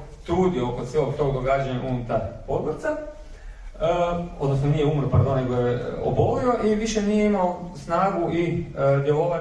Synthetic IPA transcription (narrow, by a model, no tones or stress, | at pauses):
t̪ɾuːd̪iokot̪seloɡ̚t̪o̞ːɡd̪oɡad͡ʑaɲaʔunut̪apo̞d̪ɡoɾt̪sa | o̞d̪nosnonijeumɾopaɾd̪o̞nːeɡojeo̰bolio̞ʔiʋiʃenijeimaosnaːɡuid̪jeloʋa